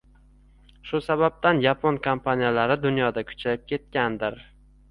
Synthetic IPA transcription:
ʃʊsabab̚t̪anjapʰonkʰompʰanijalaɾɪd̪ʊnjɒd̪akʰʊ̥t͡ʃʰajɪp̚kʲʰe̞t̪̚kʲand̪ɪɾ

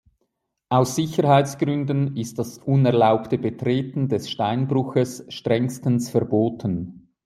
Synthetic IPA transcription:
ʔaʊsːɪçəɾhaɪt͡sɡ̥ʁʏndən̩ɪst̚d̥asʔʊnɛɐlaʊptəbətʁ̥eːtn̩dɛsʃtaɪnbʁʊxəsʃtʁ̥ɛŋstənsfɛɐboːtʰən

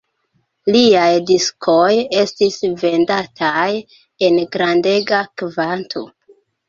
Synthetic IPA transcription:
liajdiskʰoje̞stisve̞ndatʰaj | e̞nɡɾande̞ɡakvantʰo̞̰

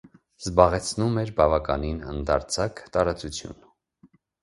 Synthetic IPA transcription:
zbɑʁɛt͡sʰnumɛɾbɑvɑkɑninə̰nd̪ɑɾt͡sʰɑkt̪ɑɾɑt͡sut͡sʰjṵn

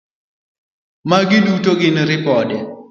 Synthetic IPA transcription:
maɡɪdutoɡɪnɾɪpɔdɛ

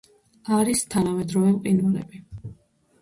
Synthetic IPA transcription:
aɾist̪ʰanamɛd̪ɾɔvɛmqʼinvɛlɛ̰bi

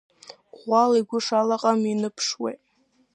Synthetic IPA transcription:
ʁʷaliɡʷʊʂalaqʼaminɨpʰʂwḛjtʼ

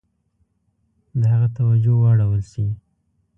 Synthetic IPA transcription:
d̪əɦaɣat̪awad͡ʒowəaɽawəlʃi

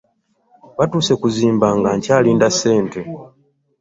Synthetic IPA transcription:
βatuːsekuziːmbaŋɡaɲcaːliːndasːe̞ːnte̞

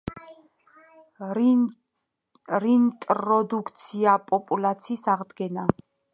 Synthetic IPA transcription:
ɾint̪ʼɾɔd̪ukʰt̪sʰiapʼɔpʼulat̪sʰiːsaʁd̪ɡɛna

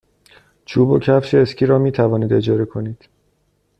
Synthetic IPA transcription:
t͡ʃʰuːbocʰæfʃeːscʰʲiːɾɒːmiːt̪ʰævɒːniːd̪e̞d͡ʒɒːɾekʰo̞niːd̪̥

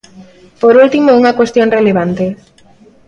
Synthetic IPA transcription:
poɾult̪imouŋɐkwest̪joŋreleβant̪e

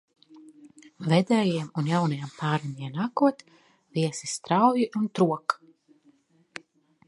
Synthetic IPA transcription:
vɛd̪ɛːjiɛmunjawnajampaːɾinʲiɛnakuɔt̪ | viɛsist̪ɾawjiʔunt̪ɾuɔk

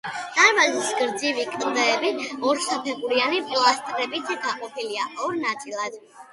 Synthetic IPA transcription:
d̪̥aɾmazisɡɾd̪zivikʼd̪ɛːbiɔɾsapʰɛχuɾianipʼlˠast̪ʼɾɛbit̪ʰɡaqʼɔpʰiliaʔɔɾnat̪sʰʼilˠad̪̥

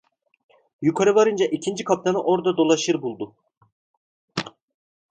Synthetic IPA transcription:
jukʰaɾɯvaɾɯnd͡ʒaʔicʰind͡ʒikʰap̚t̪ʰanɯʔo̞ɾd̪ad̪o̞lˠaʃɯɾbulˠd̪u

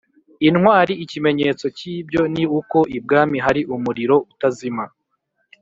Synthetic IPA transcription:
inwaːɾiːcime̞ɲe̞ːt͡so̞ciːbɟo̞niuko̞ʔib̚ɡaːmiɦaɾiʔumuɾiɾo̞utazima

